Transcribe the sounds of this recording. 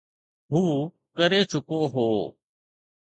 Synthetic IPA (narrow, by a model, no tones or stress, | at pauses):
ɦuː | kəɾeːt͡ʃʊkoːɦoː